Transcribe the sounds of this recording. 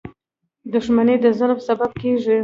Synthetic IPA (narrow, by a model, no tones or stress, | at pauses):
d̪ʊʂmaned̪əzalpəsabab̚keʒi